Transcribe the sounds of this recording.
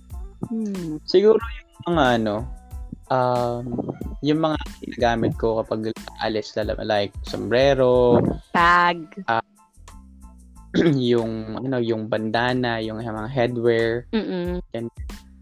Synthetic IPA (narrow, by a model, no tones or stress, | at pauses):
sɪɡuːɾo̞jʊŋmɐŋaʔɐno̞ʔɐmjʊŋmɐŋaɡɪnaːɡaːmɪt̪̚ko̞kɐpaɡɐʔa̰lɪslɐ̰lajk̚so̰mbɾɛːɾo̞t̪aɡ̚ʔɐ | jʊŋʔɐno̞jʊŋbɐnd̪aːnɐjʊŋmɐŋaɦɛd̪wɛɹm̩ːjɛnɛ